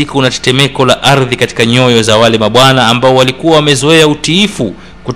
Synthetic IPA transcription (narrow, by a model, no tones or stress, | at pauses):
ikunatɛ̥tɛmɛkɔlaʔaɾðikati̥kaɲɔjɔzawalɛmaɓwanaːmbaɔwalikuwawamɛzɔɛautiifu | kut